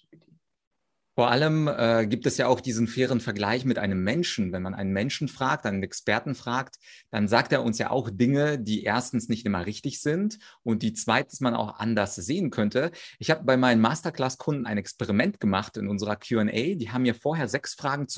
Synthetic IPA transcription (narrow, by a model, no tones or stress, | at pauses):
foːɐʔaləmʔɛːɡiːp̚tɛsjaːaʊxd̥iːzn̩feːʁ̞ənfɛɐɡlaɪçmɪtʔa̰ɪnəmːɛnʃn̩vɛnmanʔa̰ɪnənmɛnʃn̩fʁ̥aːk̚tʔaɪnənɛkspɛɐtn̩fʁ̥aːktd̥anzaːk̚teːɐʊnsja̰ːʔa̰ʊxd̥ɪŋədiːʔḛːɐstn̩snɪçtʔɪmɐʁɪçtɪçz̥ɪntʔʊnt̚d̥iːt͡sv̥aɪtn̩smana̰ʊxʔa̰ndɐsz̥eːənkʰœntʰəʔɪçhaːbəbaɪmaɪnənmaːstɐkl̥aːskʰʊndn̩a̰ɪnɛkspɛʁimɛntɡ̥əmaχtɪnʔʊnzəʁɐkʰj̥uɛnʔɛ̰ɪdiːɦaːbm̩miːɐfoːɐɦeːɐzɛksfʁ̥aːɡŋ̩t͡s